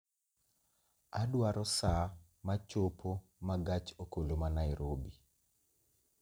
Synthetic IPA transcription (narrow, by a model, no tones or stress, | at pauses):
adwaɾɔsa | mat͡ʃopʰo | maɡat͡ʃokolomanaɪɾʔobi